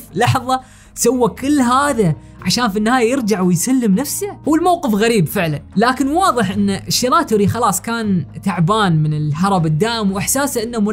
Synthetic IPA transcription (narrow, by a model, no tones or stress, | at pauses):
lɑħðˤɑ | sawːakɪlːɦaːða | ʕaʃaːnfinːɪhaːjajɪɾd͡ʒaʕwɪjsalːɪmnafsahuwːɪlmawqɨfɣaɾiːbfɪʕlanlaːkɪnwɑːðˤɨħʔɪnːaʃːiɾaːt̪ʊːɾixɑlɑːsˤkaːnt̪aʕbaːnmɪnɪlħɑɾˤɑbɪd̪ːaːʔɪmwʔɪħsaːsaʔɪnːamʊ